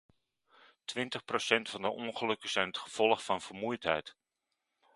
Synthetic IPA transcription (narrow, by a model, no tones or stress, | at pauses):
tʋɪntəχprosɛntfɑndəʔɔnχəlɵkəsɛjnətχə̥fɔlˠχfɑnfərmujthɛ̰jt